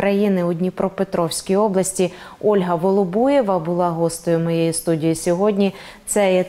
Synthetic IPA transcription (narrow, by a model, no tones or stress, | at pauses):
ɾɐjinɪʊdʲnʲipɾɔpet̪ɾɔwsʲkʲijɔblˠɐsʲtʲi | ɔlʲɦɐʋɔlˠɔbujeʋɐbʊlˠɑɦɔst̪ɔjʊmɔjejist̪udʲijisʲɔɦɔdʲnʲi | t̪sɛjɛ